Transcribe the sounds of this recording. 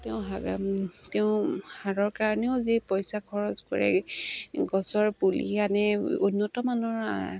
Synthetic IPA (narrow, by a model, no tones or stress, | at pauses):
tɛʊ̃ɦaɡa̰mteʊ̃haɹɔɹkaɹneʊzipɔjsakʰɔɹɔzkɔ̰ɹɛ̰ | ɡɔsɔɹpulḭanɛunːɔtɔmanɔɹa̰